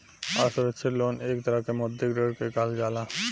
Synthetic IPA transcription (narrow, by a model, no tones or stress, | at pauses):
asoɾet͡ʃʰelonekt̪aɾakemod̪ʱːeɡɾeɾkekald͡ʒala